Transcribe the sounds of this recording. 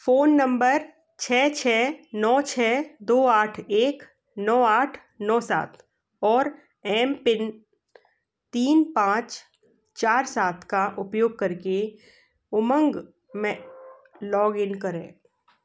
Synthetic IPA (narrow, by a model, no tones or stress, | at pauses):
foːnːə̃mbəɾ | t͡ʃʰɛːt͡ʃʰɛːnɔːt͡ʃʰɛːd̪oːaːʈʰeːk | nɔːaːʈʰ | nɔːsa̰ːt̪ʰ | ɔːɾ | ɛːmpɪn | t̪iːnpãːt͡ʃ | t͡ʃaːɾsaːt̪ʰkaʔʊpjoːɡ̚kɐɾke | ʊmə̃ŋɡ | mẽ | lɔːɡɪnkɐɾḛ̃ː